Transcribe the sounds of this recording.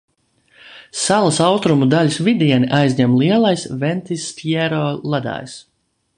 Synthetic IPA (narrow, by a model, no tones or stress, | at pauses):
salˠasawst̪ɾumud̪alʲusvid̪ʲiɛniʔajzʲɲɛmlˠiɛlˠajsvɛnt̪ist̪ʲjɛɾɔːlˠad̪a̰ːjs